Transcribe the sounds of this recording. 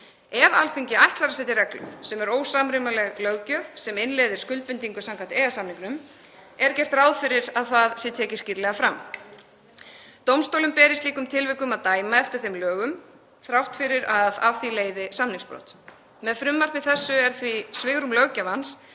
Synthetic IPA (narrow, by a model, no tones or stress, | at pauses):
ɛva̰lfiɲcɪajht̪laɾasɛt̪ɪɾɛklʏ̰msɛmɛɾoːwsaːmɾɪmalɛɣlœɣcœvsɛmɪnleːjðɪɾ̥skʏlt̪pɪnt̪iŋkʏsamkʰant̪eːɣasamniŋknʏm | ɛɾcɛr̥t̪raːwðfɪɾɪɾaðθaðsɪt̪ʰɛːcɪsciɾlɛɣafɾam | t̪owmst̪owlʏmpɛːɾɪst̪liːkʏmt̪ʰɪlvɪkʏmaðt̪aːjmaɛft̪ɪɾ̥θejmlœːɣʏm | θɾawht̪fɪɾɪɾaðavfileːjðɪsamniŋspɾɔ̰wt̪ | mɛðfɾʏmːar̥pɪðθɛsːʏɛɾ̥θvisvɪɣɾʏmlœɣcavans